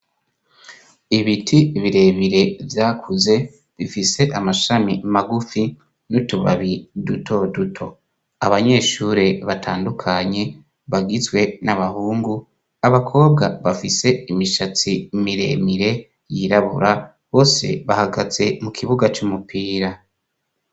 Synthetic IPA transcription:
iβitʰiβiɾe̞ːmiɾe̞vjaːkʰuze̞ | βifise̞ʔamaʃamimaɡufi | nutuβa̰βidutʰo̞dutʰo̞̰ | aβaɲe̞ːʃuːɾe̞βatʰaːndukʰaɲe̞ | βaɡizwe̞naβahuːŋɡu | aβakʰo̞ːbɡaβafise̞imiʃat͡simiɾe̞̰miɾe̞ | jiɾaβṵɾa | βo̞ːse̞̰βahaɡaze̞mukʰiβuɡat͡ʃumupʰiːɾa

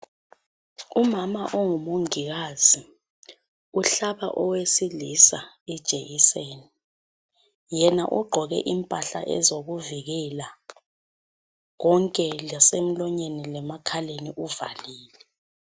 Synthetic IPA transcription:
umamaʔoŋumoŋiɣaːzi | uɬaɓa̰ʔɔwesilisa | id̥ʒ̥ʱejiseːni | jɛna̰ʔuɡ͡ǃʱɔɣɛ̰ʔimpʼaɬa̰ʔɛ̰zoɣuviɣɛla | ɣɔŋkʼɛlasem̩lɔɲenilɛmakʰaleniʔuvaliːlɛ

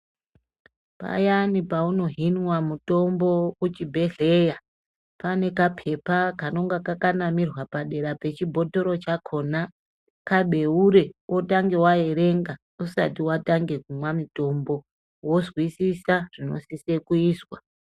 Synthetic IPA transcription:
pa̰janipauno̞ɦinwamuto̞mbo̞ut͡ʃibʱe̞ɮe̞ja | pane̞kapʰe̞pakano̞ŋɡakakanamirwapaɗe̞ɾape̞t͡ʃibʱo̞to̞ɾo̞t͡ʃakʰo̞na | kaɓʱe̞uɾe̞wʔotaŋɡe̞wajeɾe̞ŋɡa | usa̰tiwataŋɡe̞k̚umwamito̞mbo̞ | wo̞zwisisaʐ̥ino̞̰sise̞kuiːswa

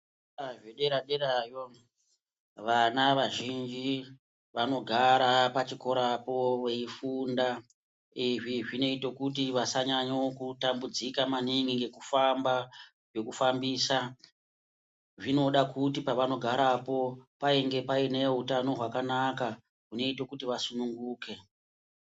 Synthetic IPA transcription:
aʐeɗeɾaɗeɾajo | ʋanaʋaʒind͡ʒi | ʋano̞ɡʱaɾapat͡ʃiko̞ɾapo̞we̞ifunda | iʐiʐine̞ito̞kutiʋasaɲaɲokutambud͡zikamaniŋɡiŋɡe̞kufamba | ʐe̞kufambiːsa | ʐino̞ɗakutipaʋano̞ɡʱaɾapo̞paiŋɡe̞paine̞ɦutano̞ɦwakanaka | ɦune̞itokutiʋasunuŋɡuːke̞

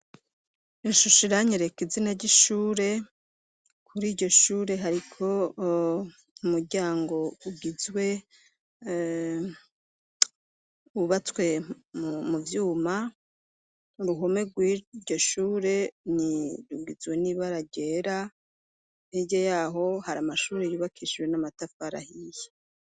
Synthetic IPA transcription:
iʃuʃiɾaɲeɾekizinaɾɟiʃuːɾe̞ | kʰuɾiːɾɟo̞ʃuːɾe̞ɦaɾikʰo̞ | umuɾɟaːŋɡo̞uɡizwe̞ | uβat͡swe̞ | muvjuːma | ɾuɦo̞me̞ɡwiɟo̞ʃuːɾe̞niɾuɡizwe̞niβaɾaɟe̞ːɾa | eɟejaːɦo̞haɾamaʃuːɾe̞juβakʰiʃiwe̞namatafaɾa̰hije̥

